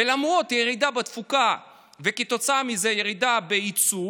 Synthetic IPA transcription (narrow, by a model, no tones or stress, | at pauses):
elamʁo̞t̪jeʁid̪abet̪fuka | veket̪o̞t͡saamizejeʁid̪abeit͡su